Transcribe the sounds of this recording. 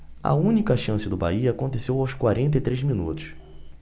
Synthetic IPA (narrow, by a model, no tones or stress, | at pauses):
ɐ̰ũnikɐʃɐ̃sɪd̪ʊba̰iɐːkõnt̪esewawskwaɾẽnt̪ɐit̪ɾezminṵt̪ʊ̥s